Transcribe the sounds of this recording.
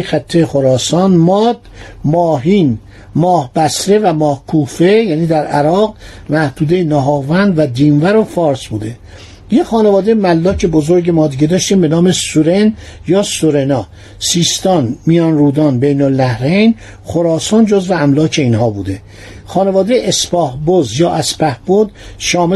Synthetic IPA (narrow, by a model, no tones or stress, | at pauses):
xæt̪ʰːexoɾɒːsɒnmɒd̪̥mɒːɦiːn | mɒːhbæsɾe̞væmɒːhkʰuːfejæːniːd̪æɾæɾɒːɣ | mæhd̪uːd̪e̞jenɒɦɒːvænd̪væd̪iːnvæɾo̞fɒːɾsbuːd̪e̞ | jexɒːne̞vɒːd̪ejmælːɒːcʰebozoɾɟemɒːd̪iɟed̪ɒːʃt̪iːmbe̞nɒːme̞suɾe̞njɒːsoɾenɒː | siːst̪ɒnmijɒnɾuːd̪ɒːnbejnolnæhɾejn | χoɾɒːsɑːnd͡ʒozveæmlɒːcʰe̞inɦɒːbṵːd̪e | xɒːnevɒːd̪ejʔespɒːhbozjɒːʔæspæhb̥od̪ʃɒːme